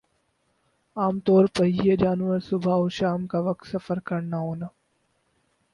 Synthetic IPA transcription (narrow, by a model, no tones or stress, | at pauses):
aːmt̪ɔːɾpɐiəd͡ʒaːnʋəɾsʊbʱaːoʃaːmkaːʋɐk̚t̪sɐfəɾkɐɳnaɦoːnə